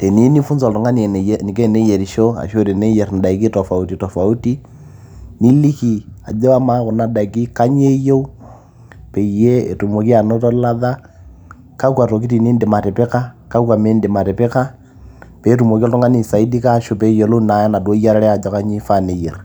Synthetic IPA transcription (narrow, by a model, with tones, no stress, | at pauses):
tɛ˨ni˦ni˦fu˦nzɔ˨ltɔ˨ŋa˦ni˨ɛ˨ni˨kɛ˦˨ne˦jɛ˨ɾi˨ʃɔ˦a̰˨ʃo˦ɾe˨ne˦jɛ˨ɾn˨da˨i˨ki˦tɔ˨fa˨u˦ti˨tɔ˨fa˨u˦ti˦ | ni˦li˦ki˨a˨d͡ʒɛ˦wa˦ma˦ko˨na˦da˨i˨ki˦ka˦ɲ˦e˦je˦u˦ | pɛ˨i˨jɛ˦ḛ˨tu˨mo˨ki˦a˨no˦tɔ˦la˦ða˦ | ka˦kwa˨to˨ki˦ti˨ni˦nde˨ma˨tɛ˨pe˦ka˦ka˦kwa˨me˦nde˨ma˨tɛ˨pe˦ka˦ | pɛ˨˦tu˨mo˨ki˦ɔ˦tɔ˦ŋɡa˦ni˨sa˨i˦di˦ka˦˨ʃo˦pɛ˨˦jɔ˨lo˦na˨˦ja˦na˨dwo˦i˦ja˦ɾɛ˦ɾɛ˦a˨d͡ʒɔ˦ka˦ɲi˦fa˦˨ne˨jɛ˨r